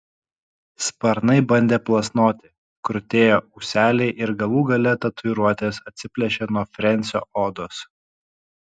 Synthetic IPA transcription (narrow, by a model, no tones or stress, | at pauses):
spɐɾnɐɪbɐnʲd̪ʲeːplˠɐsnoːt̪ʲɪ | kɾʊt̪ʲeːjoːʔʊːsʲæːlʲɛɪʔɪɾɡɐlˠuːɡɐlʲɛt̪ɐt̪ʰʊɪɾuɔt̪ʲeːsɐt̪ʲsʲɪpʲlʲɛʃʲɛnuɔfʲɾʲɛnʲtsʲo̰ːoːd̪oːs